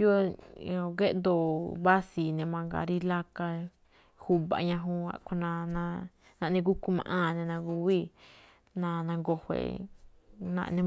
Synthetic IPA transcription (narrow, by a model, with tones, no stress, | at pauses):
jo˦o˧ɡe˦ʔd̪o˧˨βa˦si˨nẽ˧mã˧ɡa̰˨ɾi˦la˦ka˧ | hu˧βa̰˧˨ɲã˧ɦũ˦a̰˧ko˧nã˧nã˧ | nã˧ʔnẽ˧ɡu˦ku˧˦mã̰˧ʔã˦˨˧nẽ˧nã˧ɡu˧βi˦˨ | nã˧nã˧ŋɡo˧hʷḛ˨ | nã̰˧ʔnẽ˧